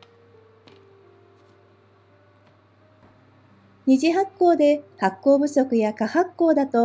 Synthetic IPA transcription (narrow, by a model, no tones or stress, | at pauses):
ɲ̟iʑiɦakːo̞ːd̪e̞hakːo̞ːbɯ̟so̞kɯ̟jakahakːo̞ːd̪at̪o̞